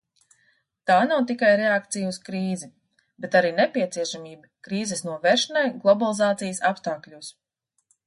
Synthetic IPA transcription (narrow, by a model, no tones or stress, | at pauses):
t̪aːnawt̪ikajɾeak̚t̪sijuuskɾiːzi | bɛt̪aɾiːnepʲiɛt̪siɛʃamʲiːbikɾiːzɛsnuɔvɛɾʃɐnajɡlˠɔbalˠizaːt̪sijəsapst̪aːklʲuːs